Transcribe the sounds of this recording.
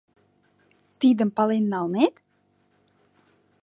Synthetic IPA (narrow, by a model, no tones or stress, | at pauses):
t̪id̪ə̆mpɑlenːɑlˠnet̪